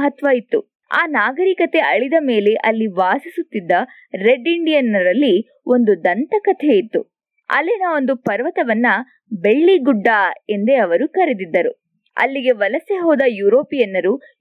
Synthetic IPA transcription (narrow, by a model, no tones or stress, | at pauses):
ɦɐt̪ʋajit̪ːṵ | a̰ːnaːɡɐɾikɐt̪e̞ʔɐɭid̪ɐme̞ːleʔɐlːiʋaːsisut̪ːid̪ːɐ | ɾeɖiɳɖijɐnɐɾɐlːi | o̞nd̪ud̪ɐnt̪ɐkɐt̪ʰeit̪ːṵ | ɐ̰lːinɐo̞nd̪upɐɾʋɐt̪ɐʋɐnːɐ | be̞ɭːiɡuɖːaːe̞nd̪e̞ɐʋɐɾukɐɾed̪id̪ːɐɾṵ | ɐ̰lːiɡe̞ʋɐlɐseɦɔːd̪ɐjuːɾoːpijɐnːɐɾu